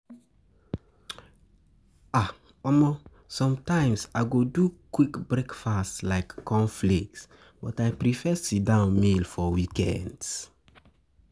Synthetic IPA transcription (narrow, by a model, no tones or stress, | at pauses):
a | ɔmɔ | sɔ̃mtãɪ̃msaɪɡodukwikbɹɛkfastlaɪkːɔ̃nflik̚ts | b̥ɔtaɪpɹifɛsidãʊ̃nmilfɔwikɛ̰̃nds